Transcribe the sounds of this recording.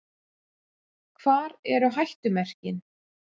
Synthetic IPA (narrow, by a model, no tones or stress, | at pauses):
kʰv̥aːɾɛɾʏɦajht̪ʏmɛr̥cɪn